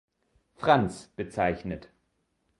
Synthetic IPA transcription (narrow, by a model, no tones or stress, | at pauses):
fʁ̥ant͡sb̥ət͡saɪçnət